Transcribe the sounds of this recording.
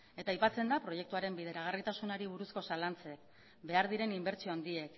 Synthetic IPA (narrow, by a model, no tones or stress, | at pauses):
e̞t̪aːjpat͡se̞nd̪apɾo̞je̞kt̪uaɾe̞mbiðe̞ɾaɣ̞arit̪asunoɾiβ̞uɾusko̞salant͡se̞k | be̞aɾðiɾe̞nimbe̞ɾt͡ʃioand̪ie̞k